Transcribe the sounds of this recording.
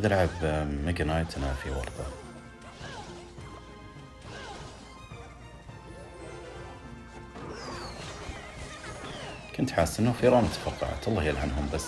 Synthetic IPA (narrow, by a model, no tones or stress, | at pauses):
d̪ɪɾʕabmaɡanajt̪nafiwɑ̰ɾˤt̪a | kʊnt̪ħaːsːʔɪnːufiɾˤɑːmʊt̪ḁfɑqːɑ̰ʕa̰t̪ʔɑlˤːɑhjalʕanɦʊmbasː